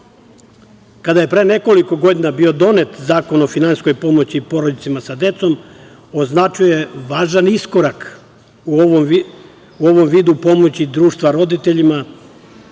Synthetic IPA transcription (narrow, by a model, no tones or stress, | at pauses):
kad̪aje̞pɾe̞ne̞ko̞liko̞ɡo̞d̪inabio̞d̪o̞ne̞t̪zaːko̞no̞finansko̞jpo̞mo̞t͡ɕiːpo̞ɾod̪it̪imasad̪e̞t̪so̞m | o̞znat͡ʃuje̞ʋaːʒanisko̞ɾak | uom | uo̞ʋo̞mʋiːd̪upo̞mo̞t͡ɕid̪ɾuːʃt̪ʋaɾo̞d̪it̪e̞ʎima